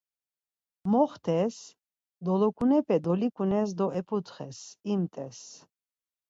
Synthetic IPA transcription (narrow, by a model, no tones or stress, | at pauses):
mɔχt̪ʰɛs | d̪ɔlɔkʰʼunɛpʰʼɛd̪ɔlikʼunɛs̬d̪ɔʔɛpʰut̪χɛ̰simt̪ʼɛs